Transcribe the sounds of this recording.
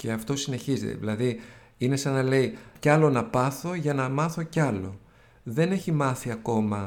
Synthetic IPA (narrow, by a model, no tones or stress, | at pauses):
ce̞ɐft̪o̞sine̞çizet̪ḛḭlɐði | ine̞sɐnɐle̞icɐlo̞nɐpɐθo̞ʝɐnɐmɐθo̞cɐlo̞̰ | ðe̞ne̞çimɐθiɐko̞mɐ